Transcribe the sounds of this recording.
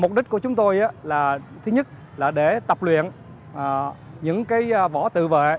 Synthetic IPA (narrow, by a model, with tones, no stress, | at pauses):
m˨˩k͡p̚ɗi˦˥t̟̚ku˧˩ət͡ɕʊ˨˦ŋ͡mt̪o˧jʔaː˨˦laː˨˩t̪ʰɨ˨˦ɲə˦˥t̚ | laː˨˩ɗe˧˩t̪ə˨˩p̚lwḭ˧˨ən | ʔəː˨˩ɲɨ̰˧˥ŋkaː˨˦jvɔ˧˩t̪ɨ̰˧˨vḛ˧˨